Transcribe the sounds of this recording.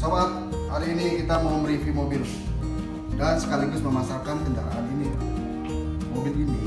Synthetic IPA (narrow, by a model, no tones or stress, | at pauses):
səbap̚ | ha̰ɾiinikit̪amaməɾifimobil | ɡansə̥kaliɡusməmasakankənda̰ɾaaninia | mobilini